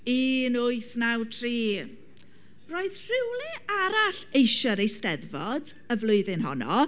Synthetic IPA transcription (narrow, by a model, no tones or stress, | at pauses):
iːnʊɨθnawtʰriː | roːɨðr̥ɪwlˠɨaɾaɬejʃəɾejstɛðvɔd | əvlˠʊɨðɨnɦɔ̰nɔ